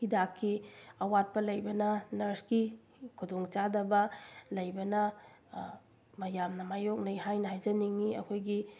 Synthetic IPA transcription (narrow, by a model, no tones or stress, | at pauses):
hidakʰːiɐwat̚pɐlɐjbɐnɐnɐɾski | kʰudoŋt͡ʃadɐbɐlɐjbɐnɐ | mɐjamnɐmajok̚nɐjɦajnɐɦajzɐniŋːiʔɐ̰kʰojɡi